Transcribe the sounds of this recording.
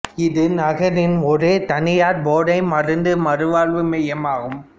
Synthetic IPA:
ɪðɯnɐɣɐɾɪnɔɾeːt̪ɐnɪjaːɾboːɽɐɪmɐrɯnd̪ɯmɐɾɯʋaːɭʋɯmɛjɐmaːɣɯm

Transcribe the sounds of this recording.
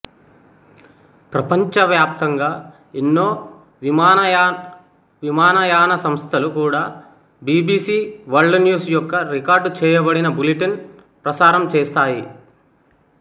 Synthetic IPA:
pɾɐpɐɲt͡ʃɐʋjaːp̚t̪ɐŋɡaː | inːo̞ː | imaːnɐ | ʋimaːnɐjaːnɐsɐmst̪ʰɐlukuːɽaː | biːbiːsiːʋɐɾɖnjuːsjɔkːɐɾikaːɾɖt͡ʃɛːjɐbɐɽinɐbuliʈin | pɾɐsaːɾɐmt͡ʃɛːst̪aːji

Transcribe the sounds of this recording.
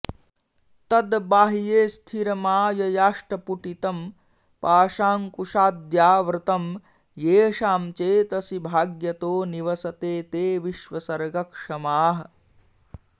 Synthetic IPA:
t̪ɐd̪baːɦijeːst̪ʰiɾɐmaːjɐjaːʂʈɐpuʈit̪ɐm | paːʂaːŋkuʂaːd̪jaːʋɾɪt̪ɐm | jeːʃaːmt͡ʃeːt̪ɐsibʱaːɡjɐt̪oːniʋɐsɐt̪eːt̪eːʋiʃʋɐsɐɾɡɐkʂɐmaːɦɐ̆

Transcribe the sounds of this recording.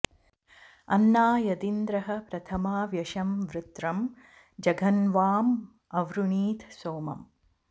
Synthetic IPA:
ɐ̰nːaːjɐd̪ind̪ɾɐɦɐpɾɐt̪ʰɐmaːʋjɐʃɐmʋɾɪt̪ɾɐm | d͡ʒɐɡʱɐnʋaːm | ɐʋɾuniːt̪ʰsoːmɐ̰m

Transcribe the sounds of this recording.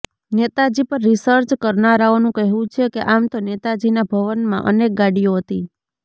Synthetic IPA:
net̪ad͡ʒipəɾːisəɾt͡ʃkəɾnaɾaonũkəɦũt͡ʃʰekeʔamt̪onet̪ad͡ʒinabʱəʋənmã̰ʔənek̚ɡaɽioɦət̪i

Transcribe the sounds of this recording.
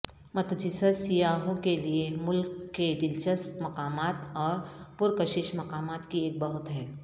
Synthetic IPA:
mɐt̪d͡ʒɪsəsijaːɦõkeliemʊlkːed̪ɪlt͡ʃəsmɐkaːmaːt̪ɔːɾpʊɾkəʃɪʃmɐkaːmaːt̪kieːk̚bɐɦʊt̪ɦɛː

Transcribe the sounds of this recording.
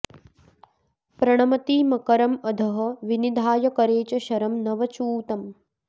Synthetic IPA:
pɾɐɳ̃ɐmɐt̪iːmɐkɐɾɐmɐd̪ʱɐɦɐ̆ʋinid̪ʱaːjɐkɐɾeːt͡ʃɐʃɐɾɐmnɐʋɐt͡ʃuːt̪ɐm

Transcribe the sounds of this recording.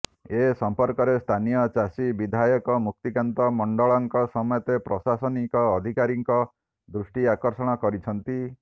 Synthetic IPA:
esɔmpɔɾkɔɾest̪ʰanijɔt͡ʃasibid̪ʱajɔkɔmuk̚t̪ikant̪ɔmɔɳɖɔɭɔŋkɔsɔmɔjɔt̪epɾɔsasɔnikɔːd̪ʱikaɾiŋkɔ | d̪ɾusʈiakɔɾsɔɽ̃ɔkɔɾit͡ʃʰɔnt̪i

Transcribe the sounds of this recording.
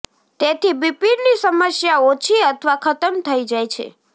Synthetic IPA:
t̪et̪ʰibipiɾnisəməsjaot͡ʃʰiət̪ʰəʋakʰət̪əmt̪ʰəid͡ʒajt͡ʃʰḛ

